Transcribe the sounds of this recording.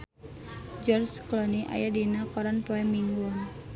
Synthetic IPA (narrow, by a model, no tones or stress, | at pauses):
d͡ʒɔrsklɔniʔa̰jadinakɔɾanpɔɛmiŋɡɔ